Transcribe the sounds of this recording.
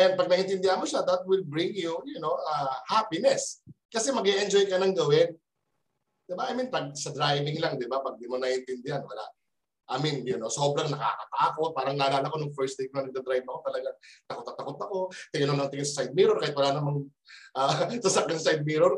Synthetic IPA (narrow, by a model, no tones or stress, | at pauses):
ɐjanpɐɡ̚nɐʔɪnt̪ɪnd̪ɪhanmoʃad̪ɐt̪̚wɪlbɾɪŋjujʊno̞ʔahapɪnɛs | kɐsɛmɐɡɛʔɛnd͡ʒojkɐnɐŋɡɐwɪn | d̪̥ɪbaʔɐjminpɐɡ̚sɐd̪ɾajvɪŋlaŋd̪ɪbapɐɡ̚d̪ɪmonɐʔɪnt̪ɪnd̪ɪhanwɐla̰ʔ | ʔɐminjʊno̞so̞ːbɾɐŋnɐka̰ːkɐt̪aːko̞t̪̚paːɾɐŋnaːlaːlɐko̞nʊŋfɛɹst̪eknɐnɐɡ̚d̪ɐd̪ɾajvɐko̞t̪ɐlɐɡaŋt̪ɐkot̪ːɐt̪ːɐko̞t̪ɐko̞t̪ɪŋɐnonɐŋt̪ɪɡɪsɐsajd̪̚miːɾoɾkaːhɪt̪wɐlaʔnɐmɐŋ | ʔasɐsak̚kɪnsajd̪̚miɾoɾ